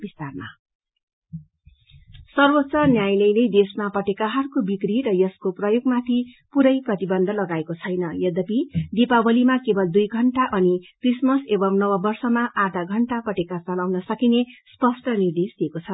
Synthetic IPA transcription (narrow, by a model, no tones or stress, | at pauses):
bist̪arma̰ | sʌrbot̪ːsʌnjajlʌjled̪esmapʌʈekaɦʌrkobikriɾʌjʌskoprʌjoɡmat̪ʰi | puɾʌjprʌt̪ibʌnd̪ʱʌlʌɡaekot͡sʰʌjnʌjʌd̪ʌpid̪ipabʌlimakebʌld̪ujɡʱʌɳʈaʔʌnikrismʌsebʌmnʌwʌbʌrsʌmaʔad̪ʱaɡʱʌɳʈapʌʈekat͡sʌlawnʌsʌkinespʌsʈʰʌnird̪esd̪iekot͡sʰʌ